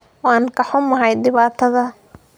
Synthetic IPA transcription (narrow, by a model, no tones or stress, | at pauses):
wɑːŋkʰɐħʊmɐɦɛjd̪ɪβaːt̪ʰɐðɐ